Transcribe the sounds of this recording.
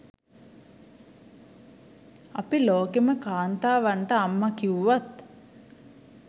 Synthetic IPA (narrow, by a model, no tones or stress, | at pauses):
ɐpiloːkeməkaːnt̪aːʋaɳʈəamːakiwʋat̪